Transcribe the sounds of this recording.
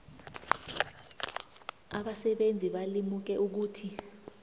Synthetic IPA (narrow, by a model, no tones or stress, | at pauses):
a̰ɓasɛɓend͡zʱiɓalimuk̬ɛʔuk̬uːtʰi